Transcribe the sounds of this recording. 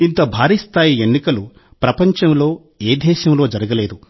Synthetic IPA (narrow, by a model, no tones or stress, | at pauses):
int̪ɐbʱaːɾiːst̪ʰaːjienːikɐlu | pɾɐpɐɲt͡ʃɐmlo̞ː | eːd̪ɛːʃɐmlo̞ːd͡ʒɐɾɐɡɐleːd̪u